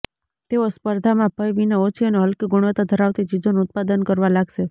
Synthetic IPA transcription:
t̪eospəɾd̪ʱamãpəjʋineot͡ʃʰiəneɦəlkiɡʊɽ̃ʋət̪ad̪ʱəɾaʋt̪it͡ʃid͡ʒonuʊt̪̚pad̪ənkəɾʋalaɡʃe

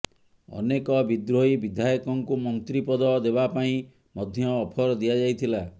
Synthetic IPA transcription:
ɔ̰nekɔbid̪ɾoibid̪ʱajɔkɔŋkumɔnt̪ɾipɔd̪ɔd̪ebapaĩ | mɔd̪ʱjɔːpʰɔɾɔd̪ijad͡ʒajt̪ʰila

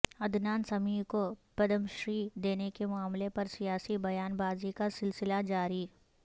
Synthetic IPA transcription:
ɐd̪naːnsɐmiːɾkopɐd̪əmʃɾiːd̪eːnekemʊaːmlepɐɾsijaːsibɐjaːnbaːzikasɪlsɪlad͡ʒaːɾi

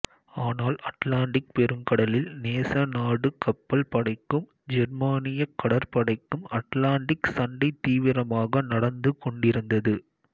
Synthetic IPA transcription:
aːnaːlɐʈlaːɳɖɪk̚pɛɾɯŋkɐɽɐlɪlneːsɐnaːɽɯkɐpːɐlpɐɽɐɪkːɯm | d͡ʒɛɾmaːnɪjɐkːɐɽɐɾpɐɽɐɪkːɯmɐʈlaːɳɖɪksɐɳɖɐɪt̪ːiːʋɪɾɐmaːɣɐnɐɽɐnd̪ɯkɔɳɖɪɾɯnd̪ɐðɯ

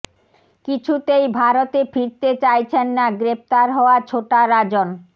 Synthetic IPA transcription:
kit͡ɕʰut̪ejbʱaɾot̪efiɾt̪et͡ɕajt͡ɕʰenːaɡɾep̚t̪aɾɦɔoat͡ɕʰoʈaɾad͡ʑon

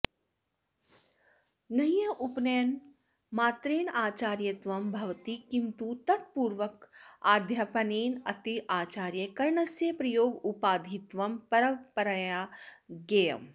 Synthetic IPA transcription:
nɐjjɐʔupnejn | maːt̪ɾeːnaːt͡ʃaːɾjɐt̪ʋɐmbʱɐʋt̪ikint̪ut̪ɐt̪̚puːɾʋɐkaːd̪ʱjaːpɐneːnɐt̪iʔaːt͡ʃaːɾjɐkɐɾɳɐsjepɾɐjoːɡupaːd̪ʱit̪ʋɐmpɐɾɐmpɐɾɐjaɡejɐ̰m

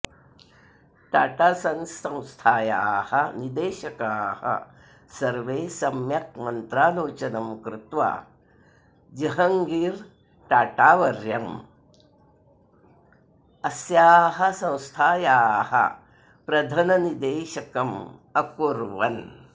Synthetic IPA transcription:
ʈaːʈaːsɐnsɐ̃w̃st̪ʰaːjaːhɐnid̪eːʃɐkaːhɐ̰ | sɐɾʋeːsɐmjɐk̚mɐnt̪ɾaːloːt͡ʃɐnɐmkɾɪt̪ʋa̰ː | d͡ʒɐɦɐŋɡiːɾ | ʈaːʈaːʋɐɾjɐm | ɐsjaːɦɐ̆sɐ̃w̃st̪ʰaːjaːhɐ̰ | pɾɐd̪ʱɐnɐnid̪eːʃɐkɐmɐkuɾʋɐn

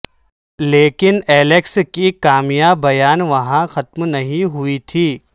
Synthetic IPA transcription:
leːkɪneːlekskikaːmijaːbbːɐjaːnʋɐɦãxɐt̪mnɐɦĩɦʊit̪ʰiː

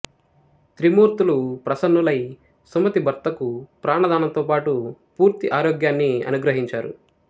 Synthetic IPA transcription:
t̪ɾimuːɾt̪ulupɾɐsɐnːulɐj | sɐmɐt̪ibʱɐɾt̪ɐkupɾaːɳɐd̪aːnɐnt̪oːpaːʈupuːɾt̪iʔaːɾoːɡjaːnːiɐ̰nuɡɾɐɦiɲt͡ʃaːɾṵ

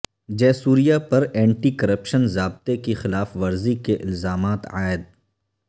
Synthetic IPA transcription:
d͡ʒɛːsuːɾijapɐɾɛ̃ːɳʈikɐɾəpʃənzaːb̚t̪ekexɪlaːfʋɐɾzikeʔɪlzaːmaːt̪aːɪd̪̚

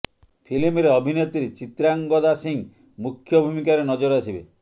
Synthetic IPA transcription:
pʰilimɾeɔbʱinet̪iɾet͡ʃit̪ɾaŋɡɔd̪asiŋ | mukʰjɔbʱumikaɾenɔd͡ʒɔɾɔasibe

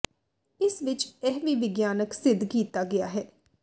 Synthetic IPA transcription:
ɪsʋɪt͡ʃɛɦʋiːʋɪɡjaːnəksɪd̪ʱkiːt̪aːɡɪa̰ːɦɛː

